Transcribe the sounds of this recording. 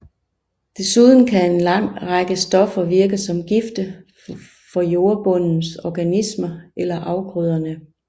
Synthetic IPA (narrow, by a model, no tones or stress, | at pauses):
d̥e̝suð̞ˠn̩kʰæe̝nlɑ̈ŋ̰ʁɑɡ̥əsd̥ɒ̽fɐʋiɐɡ̥əsɒ̽mɡ̥ifd̥ə | fɒ̽jo̝ːɐb̥ɔ̽n̰n̩sɒɡ̥ænismɐʔelɐʔɑ̈ʊɡ̥ʁyð̞ˠɐnə